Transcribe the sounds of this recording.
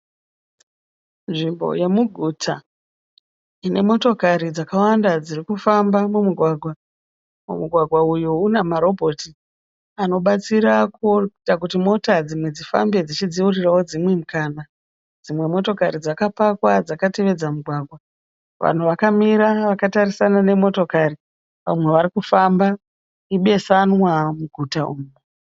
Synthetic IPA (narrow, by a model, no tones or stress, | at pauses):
nʐimbo̞̰je̞muɡʱutʰa̰ | ine̞mo̞to̞kaɾid͡zakawandad͡zirikufambamumuɡʱwaɡʱwa | mṵmuɡʱwaɡʱwaujounemaɾo̞bʱo̞ti | ano̞ɓat͡siɾakotak̬utimo̞tad͡zimwe̞d͡zifa̰mbe̞d͡zit͡ʃid͡ziurirawod͡zimwe̞mukaːna | d͡zimwe̞mo̞to̞kaɾid͡zakapakwad͡zakate̞ʋe̞d͡zamuɡʱwaːɡʱwa | ʋa̰n̤uʋakamiɾaʋakataɾisanane̞mo̞to̞kari | ʋa̰mwe̞ʋaɾikufamba | iɓe̞sanwamuɡʱutauːmu